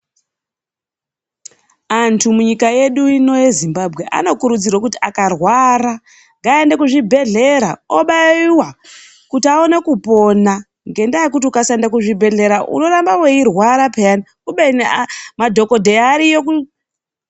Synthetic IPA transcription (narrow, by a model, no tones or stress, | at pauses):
antʰumuɲikaje̞ɗuino̞je̞zimbabʱɣe̞ʔa̰no̞kuɾud͡zirwakutiʔakarwaɾa | ŋɡaendekuʐibʱe̞ɮe̞ɾaoɓaiwa | kutiaone̞kupo̞na | ŋɡe̞ndaekut̬iukasandakuʐibʱe̞ɮe̞ɾaʔṵno̞ɾambawe̞irwaɾapeani | uɓeinemadʱo̞ko̞dʱe̞aɾijoku